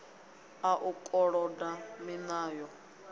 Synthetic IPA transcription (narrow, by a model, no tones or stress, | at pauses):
aʔukʼɔɺɔdaminaːjɔ